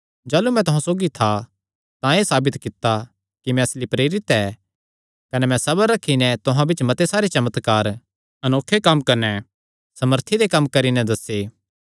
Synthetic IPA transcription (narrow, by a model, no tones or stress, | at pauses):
d͡ʒaːlumɛ̃t̪ʊɦãsoːɡit̪ʰa | t̪ãeːsaːbɪt̪kɪt̪ːa | kimɛ̃ɐslipɾeːɾɪt̪ɛː | kɐnɛmɛ̃sɐbəɾːɐkʰːinɛ̃t̪ʊɦãbɪt͡ʃmɐt̪esaːɾet͡ʃɐmət̪kaːɾ | ɐnoːkʰːekɐmkɐɾnɛ | sɐməɾt̪ʰid̪ekɐmːkɐɾinɛd̪ɐseː